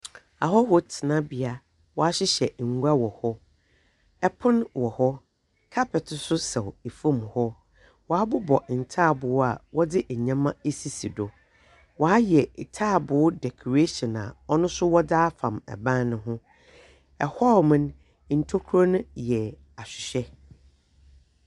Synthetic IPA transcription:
a˨hɔ˦hɔ˨tʰɪ˨nã˦bɪ˨a˨ | wɔ˨a˦ɕɪ˦ɕɛ˨ŋ̩˨ɡʷu˦a˦wɔ˨hɔ˦ | ɛ˦pʰʊ̃˦nwɔ˨hɔ˦ | kʰa˦pʰɛ˨tʰʊ˨sʊ˦sɛ˨we˨fũ˦˨mhɔ˦ | wɔ˨a˦bʊ˦bɔ˨n̩˨tʰaː˦˨bʊ˨˦a˨wɔ˦dɪ˦ʔɛ˨ɲã˦mã˦e˦si˦si˨dɔ˨ | wɔ˨a˦jɛ˨tʰaː˦˨bʊ˨ʊ˦dɛ˨kʰo˨ɾe˦ʃɔ̃˨na̰˨ɔ˦nʊ̃˦sʊ˦wɔ˦daː˦fã˨mɛ̰˨bã˦nnʊ̃˦ɦʊ̃˦ | ɛ˨hɔ˦˨mɪ̃˦n˨ | n̩˨tʰo˦kʰɾo˦nʊ̃˦jɛ˨ | a˨ɕᶣɪ˨ɕᶣɛ˦

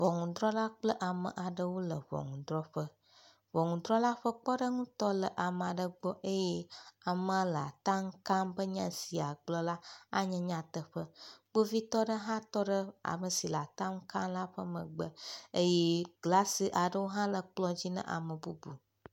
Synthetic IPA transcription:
vɔ˨ŋũ˨d̪ɾɔ˦la˦k͡plə˦ʔa˨mə̰̃˨ʔa˨ɖə˦wo˦lə˨βɔ̰˨ŋũ˨d̪ɾɔ˦ɸə˦ | βɔ˨ŋũ˨d̪ɾɔ˦la˦ɸə˦k͡pɔ˦ɖə˦ŋũ˦t̪ɔ˦lə˨ʔa˨m˨a˨ɖə˦ɡ͡bɔ˦ʔe˦jɛ˦a˨mə̃˨lə˨a̰˨t̪a˦ŋ˦kã˦mbə˦ɲã˦si˨a˨ɡ͡blɔ˦la˦a̰˦ɲɛ̃˨ɲã˨t̪ə˨ɸə˦ɡ͡bo˦vi˦t̪ɔ˦ɖə˦ɦã˦t̪ɔ˦ɖə˦a̰˨mə˨si˨la˨t̪ã˦ŋ̩˦kã˦mla˦ɸə˦mə̰̃˨ɡ͡bə˦e˦je˦ɡla˦si˨ʔa˨ɖə˦wo˦ɦã˦lə˨k͡plɔ˦d͡ʑi˦nə̰̃˦ʔa̰˨mə˨bu˦bṵ˨

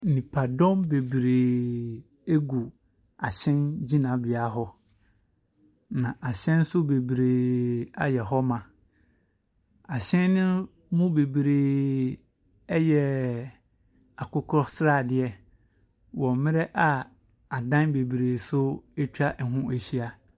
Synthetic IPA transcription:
nĩ˨pʰa˨dɔ̃˦mbe˨bɾeː˨ | e˦ɡu˨ | a˨ɕɛ̃˦nd͡ʑi˦nã˨bɪ˨a˦ɦɔ˦ | nã˨ʔa˨ɕɛ̃˦n˦sʊ˦be˨bɾeː˨a̰˦jɛ˨ɦɔ˦mã˨ | a˨ɕɛ̃˦nːʊ̃˦ | mũ˦be˨bɾeː˨ | ɛ˦jɛ˨ | a˨kʰʊ˦kʰɾɔ˦sɾa˦˨dɪ˨ɛ˦ | wɔ˨mɪ̃˦ɾɛ˦ʔa˨ | a˨dã˦nbe˨bɾeː˨sʊ˦e˦t͡ɕʰᶣa˦ʔɛ˨ɦũ˦æ˨ɕi˦a˨

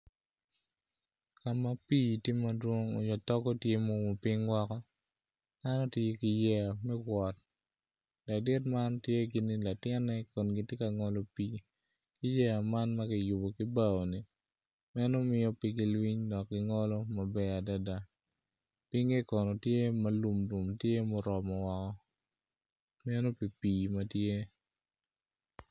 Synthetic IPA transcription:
ka˨ma˦pi˦tje˦ma˨dwo˦ŋo˨ɲɔ˨tɔ˦kɔ˦tje˦mo˦mo˨pɪ˦ŋwa˦kɔ˦ | da˦nɔ˦tje˦ki˨jɛ˦a˨mɛ˦ɡwɔ˨t̚ | da˨dɪ˦tma˦ntje˦ɡi˨ni˦la˨tɪ˦nːɛ˦kɔ˨nɡi˦tje˦ka˨ŋɔ˦lɔ˦pi˦ | ki˦jɛ˦a˨ma˦nmɐ˦kɪ˨ju˨bo˨ki˦ba˦˨o˨ni˨ | mɛ˦nɔ˦mɪ˦jɔ˦pi˦ki˨lwi˦ɲdɔ˨kːɪ˨ŋɔ˦lɔ˦ma˨bɛ˦a˨da˦da˦ | pi˦ŋɡe˦kɔ˨nɔ˨tje˦mɐ˦lu˨mlu˨mtje˦mɔ˦ɾɔ˨ma˨wa˨kɔ˦ | mɛ˦no˦pi˨piː˨mɐ˨tje˦

